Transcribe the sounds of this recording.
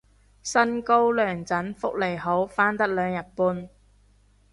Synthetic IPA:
sɐ˥nko˥wlœː˨˩ŋt͡sɐ˨˥nfʊ˥k̚le˨˩jɦo˨˥wfaː˥nt̪ɐ˥k̚lœː˨˧ŋjɐ˨t̚puː˧n

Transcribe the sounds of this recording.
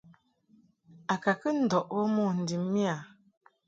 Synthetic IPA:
a˨ka˨kə˦n̩˨dɔ˨ʔbɔ˦mɔ˦˨n̩˨di˨mːi˦a˨

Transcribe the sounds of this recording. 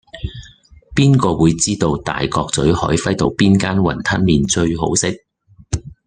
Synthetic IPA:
piː˥nkɔː˧wuː˨˧jt͡siː˥t̪o˧wt̪a̰ː˨jkɔː˧k̚t͡sɵ˨˥ɥhɔ̰ː˨˥jfɐ˥jt̪o˧wpiː˥nkaː˥nwɐ̰˨˩nt̪ʰɐ˥n̚miː˨nt͡ʃɵ˧ɥɦo̰˨˥wsɪ˥k̚

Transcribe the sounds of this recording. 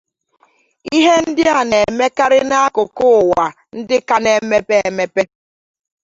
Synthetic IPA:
i˦ɦe˦n̩˦dɪ˦a˨ne˨me˦ka˦ɾɪ˦na˦a˦kʊ˨kʊ˦˨wa˨ | n̩˦dɪ˦ka˦ne˨˦me˦pe˦e˨me˦pe˦

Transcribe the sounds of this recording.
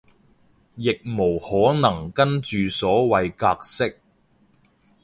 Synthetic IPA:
jɪ˨k̚mo˨˩whɔː˨˥nɐ˨˩ŋkɐ˥nt͡ʃyː˨sɔː˨˥wɐ˨jkaː˧k̚sɪ˥k̚

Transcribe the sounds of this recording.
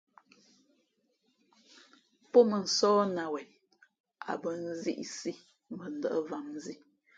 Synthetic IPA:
pɔ˦mə˨n̩˨sɔː˦na˨wɛ˨n | a̰˨bə˨n̩˦zḭ˦ʔsi˦ | mə˨n̩˨də̰˨ʔə˦va˨m˦zi˦

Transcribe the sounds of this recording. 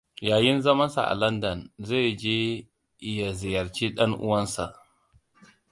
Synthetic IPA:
jaː˨jɪ˦nzɐ˦mɐ˦nsa̰˨ʔa̰˨lɐ˦ndɐ˨nza˦˨d͡ʒeː˦ | ja˨zɪ˨jɐ˨ɾt͡ʃiː˦ɗɐ˦ŋʔʊ̰˦wɐ˦nsa̰˨ʔ

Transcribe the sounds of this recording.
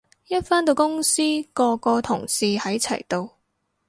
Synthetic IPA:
jɐ˥t̚faː˥nt̪o˧wkʊ˥ŋsiː˥kɔː˧kɔː˧t̪ʰʊ˨˩ŋsiː˨˧hɐ˨˥jt͡sʰɐ̰˨˩jt̪o˨˧w

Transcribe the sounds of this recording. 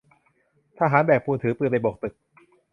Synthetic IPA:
t̪ʰaː˥˩ɦaː˨˩˦nbɛː˨˩k̚puː˧nt̪ʰɯː˩˦pɯː˨˩pa˨˩jbo˨˩k̚t̪ɯ˨˩k̚

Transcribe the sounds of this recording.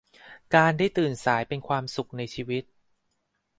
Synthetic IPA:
kaː˧ndaː˥˩jt̪ɯː˨˩nsaː˩˦jpe˧nkʰwaː˧msu˨˩k̚na˧jt͡ɕʰiː˧wi˦˥t̪̚

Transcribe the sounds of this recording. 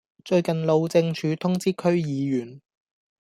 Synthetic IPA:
t͡ʃɵ˧ɥkɐ˨nlo˨˧wt͡sɪ˧ŋt͡ʃʰyː˨˧t̪ʰʊ˥ŋt͡siː˥kʰɵ˥ɥjiː˨˧jyː˨˩n

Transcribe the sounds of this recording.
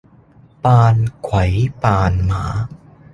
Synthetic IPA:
paː˧nkʰwa˩˦jpaː˧nmaː˩˦

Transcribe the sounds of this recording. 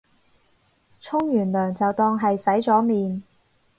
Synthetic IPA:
t͡sʰʊ˥ŋjyː˨˩nlœː˨˩ŋt͡sɐ˨wt̪ɔː˧ŋɦɐ˨jsɐ˨˥jt͡sɔː˨˥miː˨n

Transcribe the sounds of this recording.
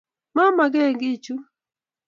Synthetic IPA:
ma˦ma˨ɡɛ˦˨ŋɡi˦t͡ʃu˦

